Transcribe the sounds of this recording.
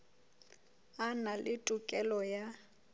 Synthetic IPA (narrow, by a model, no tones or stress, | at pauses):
analʔɪtʼukʼɛlɔja